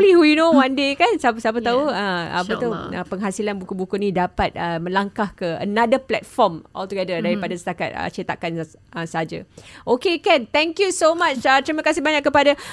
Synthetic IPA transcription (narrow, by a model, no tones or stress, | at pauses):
lihujunowandekansapsapət̪auəa̰pət̪uəpəŋɦasilanbukubukunĩdapat̪̚əmə̃laŋkahkəə̰nãdəplɛ̰t̪̚fɔmʔɔ̰lt̪uɡɛdədaɾipadasə̥t̪aka̰t̪̚ə̰t͡ʃit̪a̰kan | əsəɦad͡ʒaʔokekant̪ɛŋkjusomat͡ʃat̪ɾimakasɪhbaɲaʔkːəpada